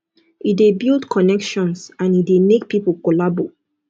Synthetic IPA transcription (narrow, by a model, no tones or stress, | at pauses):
idebildkʰɔnɛkʃɔ̃nsãnidemek̚pipəkɔlabo